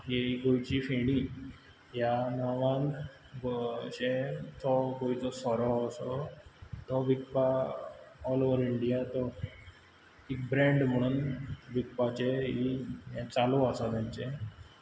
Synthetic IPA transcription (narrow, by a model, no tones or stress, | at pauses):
ɦeiɡojt͡ɕifeɽ̃i | janaʋãn | bɕẽt̪ʰɔɡojt͡sɔsɔɾɔːsɔ | t̪ʰɔʋik̚paː | lɔʋəɾiɳɖijat̪ɔ | ik̚bɾẽɳɖm̤əɽ̃uːnbikpat͡ɕeĩt͡saloasɔt̪ãɲt͡ɕẽ